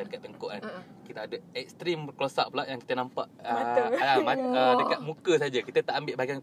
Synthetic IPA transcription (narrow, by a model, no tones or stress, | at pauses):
adəkat̪̚ːəŋkoʔan | kit̪əadəɛk̚st̪ɾiməklosaʔ̚pəlaʔjaŋki̥t̪ənampaʔəmaədəkat̪̚mũkəs̬aad͡ʒakit̪ət̪aʔambɪʔbaɡiaŋ